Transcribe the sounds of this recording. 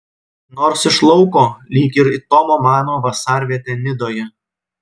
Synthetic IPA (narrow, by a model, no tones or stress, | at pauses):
noːɾsɪʃlˠɔʊkoːlʲiːkʲɪɾit̪ɔmoːmɑːnoːʋɐsɑːɾʲʋʲiɛt̪ʲeːnʲɪd̪oːjɛ